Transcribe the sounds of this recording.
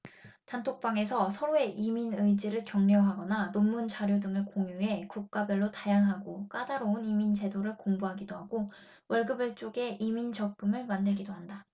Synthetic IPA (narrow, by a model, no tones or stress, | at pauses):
tantʰok̚p͈aŋe̞sʰʌsʰʌɾoe̞ʔiminɯid͡ʑiɾɯɭkjʌŋɲʌɦaɡʌnanomːunt͡ɕaɾjodɯŋɯɭkoŋjuɦe̞kuk̚k͈abʌɭːotajaŋɦaɡok͈adaɾounimind͡ʑe̞doɾɯɭkoŋbuɦaɡidoɦaɡ̥o | wʔʌɭɡɯbɯɭt͡ɕ͈oɡe̞ʔimint͡ɕʌk͈ɯmɯɭmandɯɭɡidoɦanda